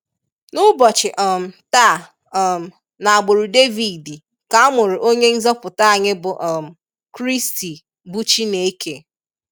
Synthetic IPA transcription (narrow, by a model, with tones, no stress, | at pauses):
nʊ˦bɔ˨t͡ʃɪ˨ʔɔ˨m̩˨ta˦˨ | m̩˨ | na˨a˨ɡ͡bʊ˨ɾu˨de˦vi˨di˨ | ka˨a˦mʊ˨ɾɪ˨ʔo˦ɲe˦n̩˦zɔ˦pʊ˨ta˦a˨ɲɪ˦bʊ˨ʔɔ˨m̩˨ | kɾi˦sti˨ | bu˦t͡ʃi˦ne˨e˦ke˨